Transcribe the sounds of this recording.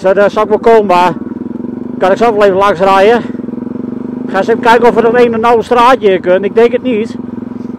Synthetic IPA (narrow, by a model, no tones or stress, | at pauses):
sədəsɔlɪk̚ʋɔlˠkoːma | kanɪksovəleːvəlaŋs̬rɛjə | xaːsevəkɛjkəɔfədɔteːnənɔwəstraːtjɪːkønɪɡ̚dɛŋkətnit